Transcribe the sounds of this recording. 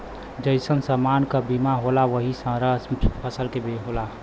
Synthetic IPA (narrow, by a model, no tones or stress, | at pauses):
d͡ʒəɪsənsəmaːnkabimaɦolaʋəɦisə̃ɾəpʰəsəlkebeɦola